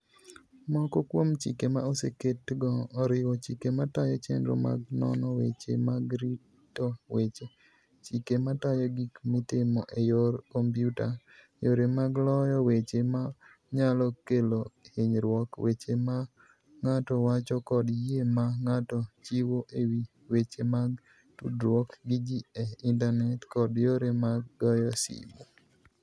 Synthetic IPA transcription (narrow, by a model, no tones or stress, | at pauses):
mɔkɔkwomt͡ʃḭkema̰oseketɡɔːɾɪwɔt͡ʃikematajɔt͡ʃḛndɾo̰ma̰ɡnɔ̰nɔwet͡ʃḛmaɡɾi | tːɔwet͡ʃe | t͡ʃikematajɔɡikmitɪmɔʔejoɾkɔmpjuta | joɾemaɡlɔjɔwet͡ʃema | ɲalɔkeloheɲɾwɔkwet͡ʃema | ŋatɔwat͡ʃɔkɔdjemaŋatɔt͡ʃiwoʔewi | wet͡ʃemaɡ | tṵdɾwɔkɡɪd͡ʒieintanɛtkɔdjoɾemaɡɔjɔsḭbo